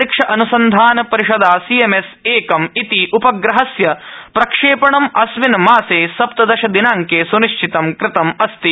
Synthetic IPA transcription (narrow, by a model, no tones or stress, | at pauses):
ikʂɐʔɐnusɐnd̪ʱaːnɐpɐɾiʃɐd̪aːsiemeseːkɐmit̪iʔupɐɡɾɐɦɐsjɐpɾɐkʂeːpɐɳɐmɐsʋinɐmaːseːsɐp̚t̪ɐd̪ɐʃɐd̪inaːŋkeːsuniʃt͡ʃʰit̪ɐmkɾɪt̪ɐmɐst̪i